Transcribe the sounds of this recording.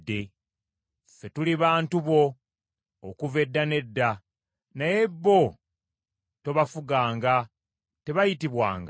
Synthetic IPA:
dːe̞ | fe̞tuliβaːntuβo̞ː | kuve̞dːane̞dːa | naje̞bːo̞ | to̞βafuɡaːŋɡa | te̞βajitiβwa̰ːŋɡa

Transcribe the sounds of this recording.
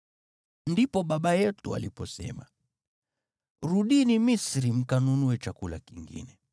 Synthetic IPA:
ndipɔɓaɓajɛtua̰lipɔ̰sɛ̰ma | ɾuɗinimisɾim̩kanunuɛt͡ʃakula̰kiŋɡḭnɛ

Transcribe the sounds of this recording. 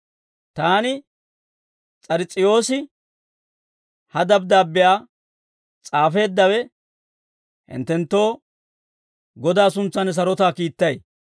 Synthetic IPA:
t̪aːnɪ | t͡sʼɐɾɪt͡sʼːɪjo̞ːsɪ | hɐd̪ɐb̚d̪aːbːɪjaː | t͡sʼaːfe̞ːd̪ːɐwɛ | hɪ̰nt̪ːɛnt̪ːo̞ː | ɡɔd̪aːsʊnt͡sːɐnɛs̬ɐɾɔt̪aːkiːt̪ːɐj

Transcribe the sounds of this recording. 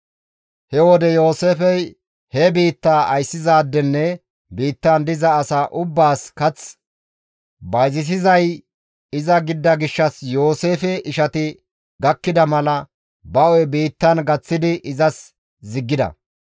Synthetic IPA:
hɛwɔd̪ɛjo̞ːseːfɛj | hɛbiːt̪ːaːʔɐjsːɪzaːd̪ːɛnːɛ | biːt̪ːɐnd̪ɪzɐːsaːʔʊbːaːskɐt͡s | bɐjzɪs̬ɪzɐj | ɪzɐɡɪd̪ːɐɡɪʃːɐsjo̞ːse̞ːfɛʔɪʃɐt̪ɪ | ɡɐkːɪd̪ɐmɐlɐ | bɐʔɔjɛbiːt̪ːɐnɡɐt͡sːɪd̪ɪʔɪzɐs | zɪɡːɪd̪ɐ̰

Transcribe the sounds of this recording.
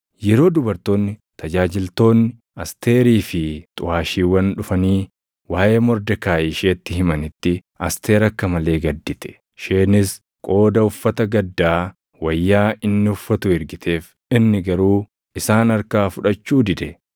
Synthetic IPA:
jɛɾo̞ːd̪ʊbɐɾt̪o̞ːnːɪt̪ʰɐd͡ʒaːd͡ʒɪlt̪o̞ːnːɪ | ɐst̪e̞ːɾiːfɪt̪ʼʊʔaːʃiːwɐnᶑʊfɐniː | waːʔeːmɔɾd̪ɛkaːʔiːʃeːt̪ːɪhɪmɐnɪt̪ːɪ | ɐst̪e̞ːɾɐkːɐmɐle̞ːɡɐd̪ːɪt̪ɛ̥ | ʃeːnɪs | kʼo̞ːd̪ɐʊfːɐt̪ɐɡɐd̪ːaː | wɐjːaːɪnːɪʊfːɐt̪ʊɪɾɡɪt̪ʰe̞ːf | ɪnːɪɡɐɾuː | ɪsaːnɐɾkaːfʊᶑɐt͡ʃːuːd̪ɪᶑ̪ɛ

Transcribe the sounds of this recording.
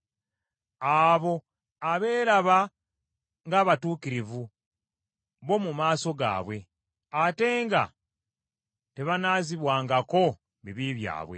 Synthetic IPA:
aːβo̞ | aβe̞ːɾaβa | ŋɡaːβatuːkiɾivu | βo̞mumaːso̞ɡa̰ːβwe̞ | ate̞ːŋɡa̰ | te̞βanaːziβwaːŋɡako̞ | βiβiβja̰ːβwe̞̰

